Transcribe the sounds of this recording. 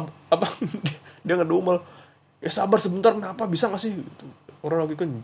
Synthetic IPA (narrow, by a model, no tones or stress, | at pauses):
apadidiaŋədoumal | asabarsəbənt̪arkənapabisaŋasɪhɡit̪uoɾanlaɡikan